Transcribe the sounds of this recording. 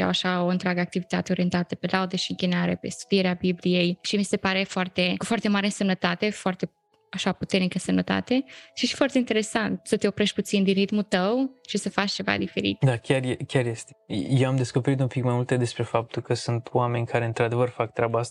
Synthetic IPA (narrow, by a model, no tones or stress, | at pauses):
ja̰waʃaoɨnt̪ɾʲaɡəak̚t̪ivit̪at̪eoɾije̞nt̪at̪əpe̞lʔaud̪eʃiɨŋkʲinaɾḛpe̞̰st̪u̥d̪ieɾeabiblije̞jʃimise̞paɾe̞foart̪e̞kufoart̪e̞maɾeɨsəmnət̪at̪e̞foart̪e̞ | aʃaput̪e̞rnikəsəmnət̪a̰t̪e̞ʃiʃifoart̪e̞int̪eɾe̞sant̪sət̪e̞o̞pɾe̞ʃt̪̚ʲput̪sind̪inɾit̪mult̪əwʃisəfat͡ʃt͡ʃe̞va̰d̪ife̞ɾḭt̪d̪akʲarjekʲarjest̪ejewamd̪e̞sko̞pe̞ɾit̪umpikmajmult̪ed̪e̞spɾe̞fap̚t̪ulkəsunt̪wame̞nʲkʰaɾe̞ɨnt̪ɾad̪e̞vərfak̚t̪ɾʲabəast̪